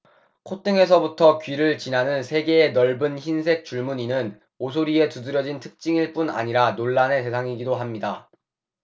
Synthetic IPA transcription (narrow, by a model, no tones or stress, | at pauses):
kʰot͈ʰɯŋe̞s̬ʰʌbutʰʌkɥiɾɯɭt͡ɕinanɯnsʰe̞ɡe̞ːnʌɭbɯnçinsʰe̞k̚t͡ɕ͈uɭmuɲinɯn | osʰoɾie̞tudɯɾjʌd͡ʑintʰɯ̥k̚t͡ɕ͈iŋiɭp͈una̰ɲiɾanoɭːane̞s̬ʰe̞sʰaŋiɡidoɦamɲida